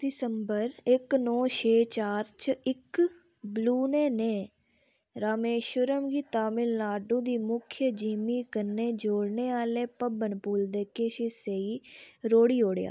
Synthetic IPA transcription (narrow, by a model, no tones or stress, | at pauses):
d̪ɪsəmbəɾɪknɔːt͡ʃʰeːt͡ʃaːɾt͡ʃəɪk | bluːneːnẽː | ɾaːmeːʃʊɾəmɡiːt̪aːmɪlnaːɖũːd̪iːmʊkʰjəd͡ʒiːmiːkəneːd͡ʒoːɽneːaːleːpəbənpuːld̪eːkeːʃeseiːɾoːɽiːoːɽeja̰ː